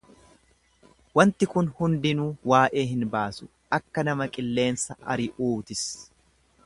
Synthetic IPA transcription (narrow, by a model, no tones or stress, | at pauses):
wɐnt̪ɪkʊnhʊnd̪ɪnuːwaːʔe̞ːɦɪnbaːsʊ̥ | ʔɐkːɐnɐmɐkʼɪlːe̞ːnsɐʔɐ̰ɾɪʔuːt̪ɪs